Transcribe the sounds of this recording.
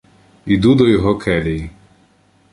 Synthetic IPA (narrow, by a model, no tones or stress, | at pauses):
id̪ud̪ɔjɔɦɔkʰɛlʲɛji